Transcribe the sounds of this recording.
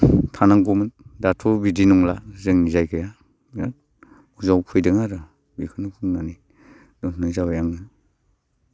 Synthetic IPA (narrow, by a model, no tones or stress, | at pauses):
tʰanaŋɡɔmɯndatʰɔbidinɔŋlazɯŋnizajkʰɯja | ja | uzawkʰujdɯŋaɾɯ | bikʰɯnɯpʰɯŋnani | dɔntʰnɯjzawjaŋɯ